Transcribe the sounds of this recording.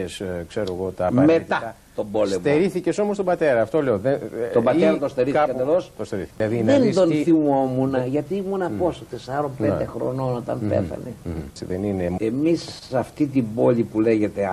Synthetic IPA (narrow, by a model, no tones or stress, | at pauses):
eskse̞ɾoeɣot̪ɐːɐmet̪ɐ | t̪o̞bo̞lsemeɾiθiceso̞most̪obɐt̪e̞ɾɐːft̪oleoðet̪obɐt̪eɾɐt̪ost̪eɾiθikɐd̪elost̪ost̪eɾiθiɐðinðend̪o̞nθimo̞munɐʝɐt̪imunɐposot̪e̞sɐɾo̞mped̪exɾo̞̰no̞not̪ɐ̰npḛθɐ̰nesiðenineemis | ɐft̪it̪ibo̞ʎʲipule̞ʝe̞t̪e